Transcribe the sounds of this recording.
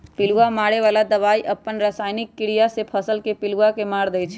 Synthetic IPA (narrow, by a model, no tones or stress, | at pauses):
pɪluamaɽeʋalad̪əʋaiʔəpːənɾəsaːɪnɪkːɪɽijasepʰəsəlkepɪluakemaːɽd̪ɛjt͡ʃʰ